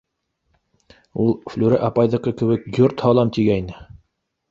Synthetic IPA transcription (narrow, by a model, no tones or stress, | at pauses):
ulˠflʲuɾæʔɑpɑjðɤ̆qɤkɘ̆βɘ̆k̚ɡurt̪hɑlˠɑmt̪iɡæjnɘ